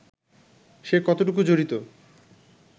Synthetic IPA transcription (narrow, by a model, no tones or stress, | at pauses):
ʃekɔt̪oʈuk̬ud͡ʑoɾit̪o